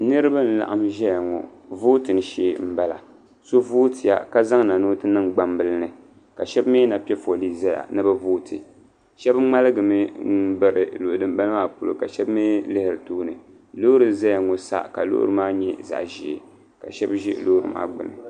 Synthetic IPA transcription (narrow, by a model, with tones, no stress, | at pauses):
nɨ˦ɾɨ˦ba˦n̩˨˦la̰˨ʔa˦mʒɛ˦ja˨ŋɔ̰˨voː˦tɨ˨nɨ˦ʃeː˦m̩˦ba˦la̰˨ | so˦voː˦ti˨ja̰˨ka˦za˦ŋna˨noː˦tɨ˦nɨ˦ŋɡ͡ba˨mbɨ˦lɨ˦nɨ˨ | ka˨ʃɛ˦bmeː˦na˨pi˦ɛ˦fo˨li˦˨za˦ja̰˨nɨ˦bɨ˦voː˦tʰɨ˨ | ʃɛ˦bŋ͡ma˦lɨ˦ɡɨ˨mɨ˦n̩˦bɨ˨ɾɨ˨lo˨ʔʊ˨dɨ˨m˦ba˦lmaː˦pu˦lo̰˨ka˨ʃɛ˦bmeː˦lɨ˦hɪ˨ɾɨ˨tuː˦nɨ˨ | lo˦ɾɨ˨za˦ja˨ŋɔ˨sa̰˦ka˨lo̰˦ʔʊ̰˦ɾɨ˦maː˦ɲɛ˦za̰˨ʔʒi˨ḛ˨ | ka̰˨ʃɛ˦bʒɪ˦ʔlo˦ɾɨ̰˨ma̰ː˦ɡ͡bɨ̰˨nɨ̰˨